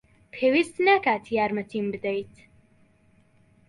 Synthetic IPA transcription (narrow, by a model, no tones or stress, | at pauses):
pʰewist̪nakaːt̪ʰiaːɾmɐt̪ʰimbɨd̪ɛjt̪ʰ